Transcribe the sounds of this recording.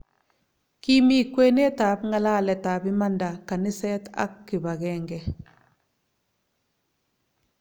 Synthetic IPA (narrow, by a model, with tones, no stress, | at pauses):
ki˦mi˦kwe˦ne˦ta˨pŋa˦la˦˨lɛ˨ta˨bi˦ma˦nda˨ka˨ni˦sɛ˦ta̰˦kːi˨ba˨ɡɛ˦ŋɡɛ˨